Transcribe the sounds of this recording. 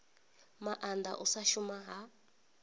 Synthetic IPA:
maʔand̪a̰ʔusaʃumaɦa

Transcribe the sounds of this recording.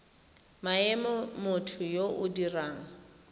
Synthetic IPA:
maɛmɔmʊtʰʊjoʔʊdiraːŋ̩

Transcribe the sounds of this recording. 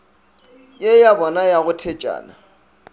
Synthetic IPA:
jejabɔnajaɣʊtʰɛt͡ʃʼa̰ːna

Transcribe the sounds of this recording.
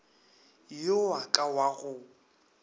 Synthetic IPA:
jowakʼawaɣʊ

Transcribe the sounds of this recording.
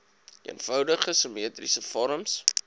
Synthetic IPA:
ḭənfœwdəχəsəmiətrḭsəfɔɾəms

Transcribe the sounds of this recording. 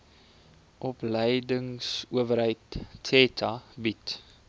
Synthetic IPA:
ʔɔpləjdəŋsuəvəɾɦəjtsetʰɐbit

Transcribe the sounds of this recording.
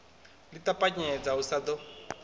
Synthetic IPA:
litʼapʼaɲɛd͡zausad̪ɔ

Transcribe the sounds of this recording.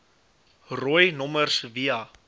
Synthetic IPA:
rɔjnɔmərsviɐ

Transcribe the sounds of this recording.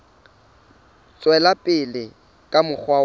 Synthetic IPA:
t͡sʼwɛlapʼɪlɪ | kʼamʊk͡xʰwa

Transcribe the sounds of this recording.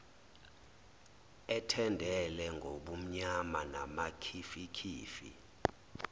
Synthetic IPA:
ɛtʰɛndʱɛlɛŋɡʱoɓum̩ɲamanamakʰifikʰiːfḭ

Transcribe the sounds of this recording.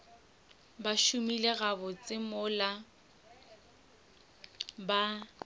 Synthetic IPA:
baʃumileɣabɔt͡sʼɪmʊla | ba

